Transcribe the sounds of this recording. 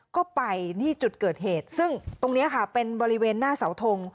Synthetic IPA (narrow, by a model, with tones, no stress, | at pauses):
kɔː˥˩pa˧jt̪ʰiː˥˩t͡ɕu˨˩t̪̚kɤː˨˩t̪̚ɦeː˨˩t̪̚sɯ˥˩ŋt̪o˧ŋni˦˥ɐkʰa˥˩pe˧nbɔː˧ɾi˦˥weː˧nːaː˥˩sa˩˦wt̪ʰo˧ŋ